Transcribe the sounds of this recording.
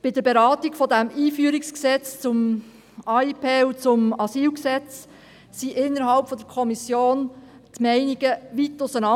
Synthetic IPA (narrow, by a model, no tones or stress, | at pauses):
b̥ɪdəɾbeɾɑːt̪iɡ̥fɔdæmiːfyːɾiksksɛt͡st͡sʊm | ɑipʰeːut͡sʊmɑsiːlksɛt͡s | siʔɪnːəɾɦɑlpfɔdəɾkʰɔmisjoːntmɛɪniɡ̥əʋitʊsənɑ